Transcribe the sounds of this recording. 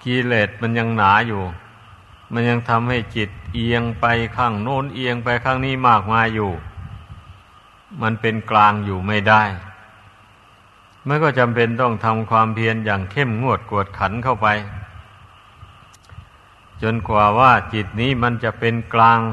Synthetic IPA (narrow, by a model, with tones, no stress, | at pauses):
kiː˧leː˨˩t̪̚ma˧nja˧ŋnaː˩˦juː˨˩ | ma˧nja˧ŋt̪ʰa˧mha˥˩jt͡ɕi˨˩t̪̚ʔi˧əŋpa˧jkʰaː˥˩ŋnoː˧˥˩nʔi˧əŋpa˧jkʰaː˥˩ŋniː˥˩maː˥˩k̚maː˧jjuː˨˩ | ma˧npe˧nklaː˧ŋjuː˨˩ma˥˩jda˥˩j | ma˧˥nkɔː˥˩t͡ɕa˧mpe˧nt̪ɔ˥˩ŋt̪ʰa˧mkʰwaː˧mpʰi˧ənjaː˨˩ŋkʰe˥˩mŋu˥˩ət̪̚ku˨˩ət̪̚kʰa˩˦nkʰa˥˩wpa˧j | t͡ɕo˧nkwaː˨˩waː˥˩t͡ɕi˨˩t̪̚niː˦˥˩ma˧nt͡ɕa˨˩ʔpe˧nklaː˧ŋ